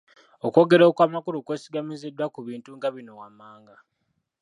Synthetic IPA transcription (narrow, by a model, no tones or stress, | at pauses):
oko̞ɡe̞ɾo̞kwaːmakuɾukwe̞ːsiɡamizedwakuβiːntuŋɡaβino̞wamːaːŋɡa